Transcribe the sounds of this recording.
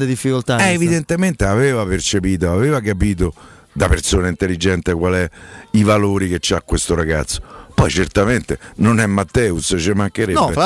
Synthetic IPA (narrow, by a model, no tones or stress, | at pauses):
ed̪ifːikolt̪aɛevid̪ent̪ement̪eaveːvapert͡ʃepiːt̪̬oaveːvak̬apiːt̪̬o | d̪apersoːnaint̪elid͡ʒɛnt̪ekwalɛivaloːɾiket͡ʃːakːwest̪oɾaɡa̰t̪sːo̥pɔjt͡ʃert̪ament̪enonɛmːat̪ːɛːust͡ʃemaŋk̟eɾɛbː